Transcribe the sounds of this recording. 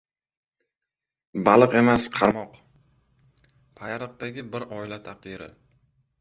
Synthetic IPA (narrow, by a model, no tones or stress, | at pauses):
balˠɨqe̞masqʰɑɾmɒq | pʰajaɾɨq̚d̪aɡʲɪbɪɾɒɪlat̪ʰaq̚d̪ɪɾɪ̰